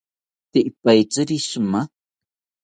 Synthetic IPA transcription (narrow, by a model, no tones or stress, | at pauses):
t̪ɪʔpajt͡sɨɾisma